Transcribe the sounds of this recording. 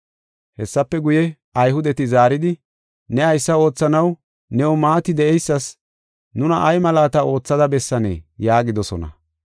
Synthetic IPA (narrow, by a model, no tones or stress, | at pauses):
hɛsːɐpːɛɡʊjɛ | ɐjhʊd̪ɛt̪ɪzaːɾɪd̪ɪ | nɛɐjsːɐo̞ːt͡sːɐnɐw | nɛwɔmaːt̪ɪd̪ɛɛjsːɐs | nʊnɐʔɐjmɐlaːt̪ɐo̞ːt͡sːɐd̪ɐbɛsːɐnḛːjaːɡɪd̪ɔsɔ̰nɐ̰